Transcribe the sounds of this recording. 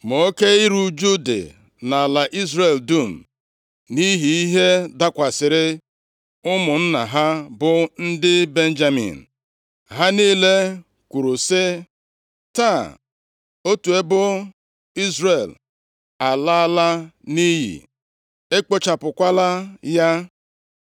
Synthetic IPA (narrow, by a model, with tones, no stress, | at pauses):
mo˨o˦ke˦i˦ɾu˦d͡ʒu˦dḛ˨ | na˨la˨ʔi˦zɾe˨ldu˦˨m̩˨ | ni˦ɦi˨i˦ɦe˦da˦kʷa˨sɪ˨ɾɪ˦ | ʊ˦mʊ˨n̩˦na˨ɦa˦bʊ˦n̩˦dɪ˦be˦n̩˦d͡ʒa˦mḭ˨n̩˨ | ɦa˦niː˦le˦ | kʷu˨ɾu˨sɪ˦ | ta˦˨ | o˦tu˨e˦bʊ˦ | i˦zɾe˨l | a˨la˦la˦ni˦ɦḭ˨ | e˦k͡po˦t͡ʃa˨pʊ˨kʷa˦la˦ja˦